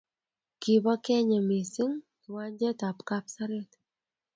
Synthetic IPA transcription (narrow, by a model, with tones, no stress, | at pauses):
ki˨βa˦kɛ˦ɲa˨me˨si˦ŋ | i˨wa˦ɲd͡ʒɛ˦ta˨pka˦psa˦ɾe˦t